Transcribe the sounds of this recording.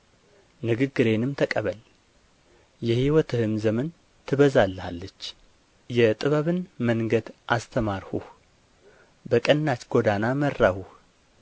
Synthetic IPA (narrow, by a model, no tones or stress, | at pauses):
nɨɡɨɡːɨɾe̞nɨmt̪ʰəkʼəβəl | jɛhiwɔt̪ʰɨhɨmzəmən | t̪ʰɨβəzalːha̰lːət͡ʃː | jɛt̪ʼɨβəβɨnməŋɡəd̪ʔast̪ʰəmaɾhṵh | bəkʼənːat͡ʃɡod̪anamərːahuh